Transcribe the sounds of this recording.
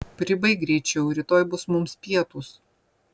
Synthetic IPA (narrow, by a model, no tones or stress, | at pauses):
pʲɾʲɪbɐɪɡɾʲɛɪt͡ʃʲɛʊɾʲɪt̪oːjbʊsmʊmspʲiɛt̪us